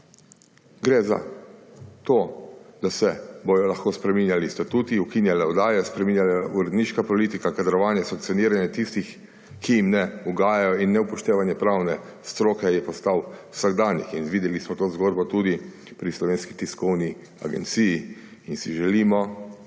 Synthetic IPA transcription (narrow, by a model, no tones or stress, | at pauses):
ɡɾeza̰ | t̪oːd̪asɛbɔjɔlaxkoːspɾɛminjalist̪at̪uːt̪iukinjalɛɔd̪aːjɛspɾɛminʲjalauɾɛd̪niːʃkapɔlit̪ikakad̪ɾɔʋaːnjɛsãŋkt̪siɔniːɾanjɛt̪ist̪ix | kʰijimnɛuɡaːjajɔinːɛupɔʃt̪eːʋanjɛpɾawnɛ | st̪ɾoːkɛjɛpɔst̪awwsaɡd̪aːnjḭxinʋid̪jɛlismɔt̪oːzɡoːd̪̚bɔt̪ud̪i | pɾislɔʋeːnskit̪iskɔwni | a̰ɡɛ̰nt̪siji | insiʒɛliːmɔ